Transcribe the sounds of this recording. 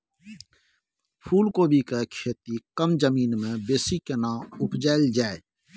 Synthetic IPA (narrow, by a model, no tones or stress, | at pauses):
pʰuːlkoːbʱikekʰeːt̪ikəmd͡ʒəmiːnmẽbeːsikenãːʊpd͡ʒaːld͡ʒaːe